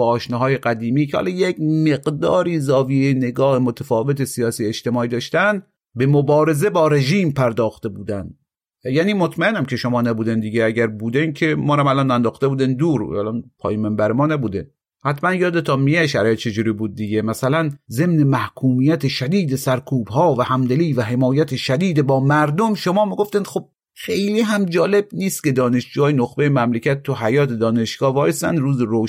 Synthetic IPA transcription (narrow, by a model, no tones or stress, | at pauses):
ɒːʃnɒɦɒːjeɢæd̪iːmiːcʰehɒ̰ːlɒːjecme̞ɡd̪ɒ̰ːɾiːzɒːviejne̞ɡɒːhemot̪ʰæfɒːve̞t̪esijɒːsiːeʃt̪e̞mɒːiːd̪ɒːʃt̪ænd̪ | be̞mobɒːɾe̞ze̞bɒːɾe̞ʒiːmpʰæɾd̪ɒːxt̪e̞buːd̪ænd̪ | jæːniːmot̪ʰmæenæmcʰe̞ʃomɒːnæbuːd̪end̪iɟeæɟæɾbuːd̪enkʰe̞mɒːɾæmælɒnænd̪ɒːxt̪ebuːd̪ænd̪uːɾæ̰lɒnpʰɒːjimembæɾemɒːnæbuːd̪en | hæt̪mænjɒːd̪et̪ʰɒːmijeæʃæ̰ɾːjet̪̚t͡ʃʰe̞d͡ʒuːɾiːbuːd̪̚ːiɟemæsælænze̞mnemæhkʰuːmijæt̪ʰeʃæd̪iːd̪esæɾkʰuːbhɒːvæhæmd̪eliːvæɦe̞mɒːjæt̪ʰeʃæd̪iːd̪ebɒːmæɾd̪omʃomɒːmiɡo̞ft̪ænd̪̥xob̥̚ | xejliːɦæmd͡ʒɒːle̞bniːst̪̚kʲe̞d̪ɒːneʃd͡ʒuːjɒːjenoxbejemæmlecʰʲæt̪ʰːuɦæjɒːt̪ʰed̪ɒːne̞ʃɡ̥ɒːvɒːɾest̪æ̰nd̪ɾuːzeɾo